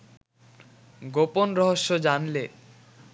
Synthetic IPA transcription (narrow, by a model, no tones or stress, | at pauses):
ɡoponɾɔɦoʃːod͡ʑanle